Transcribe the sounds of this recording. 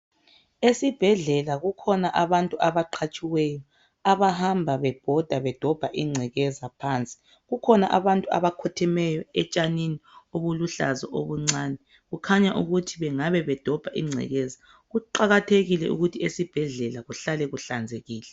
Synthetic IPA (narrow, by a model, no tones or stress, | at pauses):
esib̥ʱɛɮɛlaɣukʰɔnaʔaβantʼuaβaǃʰat͡ʃʼiwɛjɔ | aβahambʱaβɛb̥ʱɔd̥ʱaβɛd̥ʱɔb̥ʱaʔiŋ͡ǀʱɛɣɛzapʰaːnt͡sʼi̥ | ɣukʰɔnaʔaβantʼua̰βakʰɔtʰɛmɛjɔɛt͡ʃʼaninioβuluɬa̰zɔʔoβuŋ͡ǀaːnɛ | ɣukʰaɲaʔuɣutʰiβɛŋaβɛβɛd̥ʱɔb̥ʱaʔiŋ͡ǀʱɛ̰ɣɛza | ɣuǃaɣatʰeɣilɛʔṵɣutʰiesib̥ʱɛɮɛlaɣuɬalɛɣuɬand͡zʱeɣiːlɛ